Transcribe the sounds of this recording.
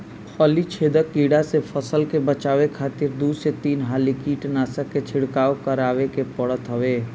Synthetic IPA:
pʰɔːlit͡ʃʰeːd̪əkiːɽasepʰəsəlkebət͡ʃaːʋekʰaːt̪ɪɾd̪uːset̪iːnɦaːlikiːʈnaːsəkːet͡ʃʰɪɽkaːokəɾaːʋekepəɽət̪ɦəʋeː

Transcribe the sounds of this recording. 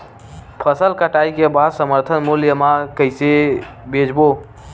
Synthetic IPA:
pʰəsəlkəʈaikebad̪səməɾt̪ʰənmuljəmakəɪse | bed͡ʒbo

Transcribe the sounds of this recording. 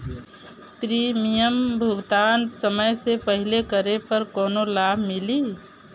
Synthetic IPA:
pɾimijəmbʱʊɡt̪aːnsəməjsepəɦilekəɾepəɾkɔːnolaːbʱmɪli

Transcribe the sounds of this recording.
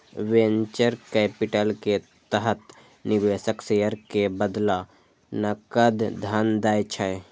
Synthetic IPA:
wẽnt͡ʃəɾkɛːpɪʈəlke | t̪əɦət̪ | nɪʋeːʃəkseːjəɾkebəd̪la | nɐkəd̪d̪ʱand̪aːjt͡ʃʰəe

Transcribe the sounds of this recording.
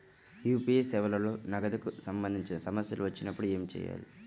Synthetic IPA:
juːpiesɛːʋɐlɐloːnɐɡɐd̪ɐkusɐmbɐnd̪ʱiɲt͡ʃinɐsɐmɐsjɐ̰luʋɐt͡ʃːinɐpːuɽue̞ːmit͡ʃɛ̰ːja̰ːli

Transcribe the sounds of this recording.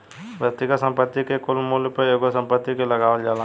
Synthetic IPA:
bəkt̪ikasə̃mpət̪ːikekʊlmulpəeːɡosə̃mpət̪ːikelɐɡaːʋəld͡ʒaːla

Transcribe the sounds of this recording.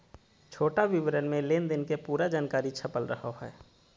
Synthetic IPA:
t͡ʃʰoːʈaʋɪʋɾənmẽleːnd̪ɪnkepuːɾad͡ʒaːnkaːɾit͡ʃʰəpəlɾəɦaɦɛː

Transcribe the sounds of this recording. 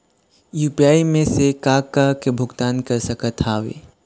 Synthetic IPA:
juːpiaːimẽsekaːkakebʱʊɡt̪aːnkɐɾsɐkət̪ʰaːʋḛː

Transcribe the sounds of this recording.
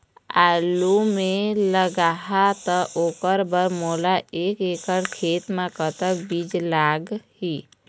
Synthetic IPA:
a̰ːlumẽləɡaːɦat̪əʔoːkəɾbəɾmoːlaeːkeːkəɾkʰeːt̪mãkət̪əkbid͡ʒlaːɡɦiː

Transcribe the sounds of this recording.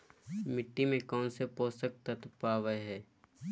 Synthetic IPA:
mɪʈːimẽkɔːnsepoːsək̚t̪ət̪paːʋəɦɛː

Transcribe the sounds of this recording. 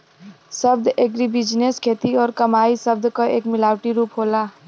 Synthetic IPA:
səbd̪eːkɾibɪd͡ʒneskʰeːt̪iɔːɾkəmaːisəb̚d̪kəeːkmɪlaːwʈiɾuːpɦolaː

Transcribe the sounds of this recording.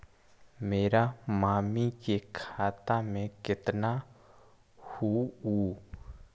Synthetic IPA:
meːɾamaːmikekʰaːt̪amẽkɪt̪na | huuː

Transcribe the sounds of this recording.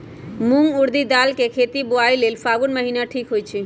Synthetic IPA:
muŋɡuɾd̪id̪alkekʰet̪ibuailelfʰaɡunməɦinaʈʰiːkɦojt͡ʃʰi

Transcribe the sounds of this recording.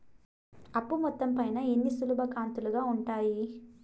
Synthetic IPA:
ɐpːumɔt̪ːɐmpɐjnɐenːisulubʱɐkaːnt̪uluɡaːuɳʈaːji

